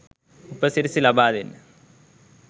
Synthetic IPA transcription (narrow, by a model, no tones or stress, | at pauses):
upːɐsiɾisilɐbaːðin